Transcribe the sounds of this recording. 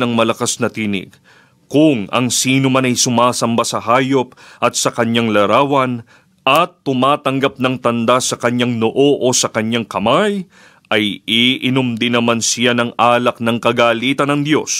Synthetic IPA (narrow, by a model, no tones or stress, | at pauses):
ɐŋmɐlɐkasnɐt̪iːnɪ̰ɡ̥̚ | kʊŋɐ̰ŋsiːnʊmanɐjsʊmaːsɐmbasɐɦaːjo̞p̚ʔɐt̪̚sɐkɐɲaŋlɐɾaːwɐn | ʔɐt̪ːʊmaːt̪ɐŋɡap̚nɐŋt̪ɐnd̪asɐkɐɲaŋno̞ʔo̞ʔo̞sɐkɐɲːaŋkɐmaj | ʔɐjiʔɪnomd̪ɪnːɐmansɪjanɐŋʔaːlɐk̚nɐŋkɐɡaːliːt̪ɐnɐŋd̪jo̞̰s